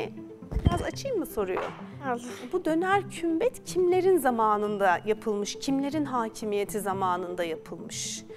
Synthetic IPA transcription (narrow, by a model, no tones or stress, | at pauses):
biɾazat͡ʃʰɯjmːɯso̞ɾujo̰ | bud̪ø̞næɾcʰymbɛt̪cʰimlʲe̞ɾinzamaːnɯnd̪ajapʰɯlˠmɯʃcʰimlʲe̞ɾinɦaːcʰimije̞t̪ʰizamaːnɯnd̪ajapʰɯlˠmɯʃ